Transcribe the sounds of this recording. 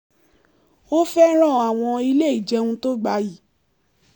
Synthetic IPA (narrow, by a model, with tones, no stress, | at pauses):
o˦fɛ˦ɾ̃ɔ̃˦˨a˨w̃ɔ̃˧i˧le˦i˦˨d͡ʒɛ˧˦ũ˧˦to˦ɡ͡ba˧ji˨˦